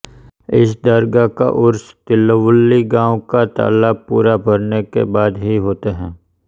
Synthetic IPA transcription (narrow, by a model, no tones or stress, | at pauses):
ɪ̰sd̪əɾɡaka̰ʔʊɾst̪ɪlːəʋʊlːiɡãːwkat̪a̰ːlaːbpṵːɾabʱɐɾnekḛbaːd̪ɦiɦoːt̪eɦɛ̃ː